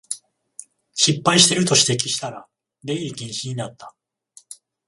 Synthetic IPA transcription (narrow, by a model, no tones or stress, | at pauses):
ɕipːaiɕi̥t̪e̞ɾɯ̟t̪o̞ɕi̥t̪e̞k̬ʲi̥ɕi̥t̪aɾa | ɾe̞iɡʲĩɰ̃ɕiɲ̟inat̪ːḁ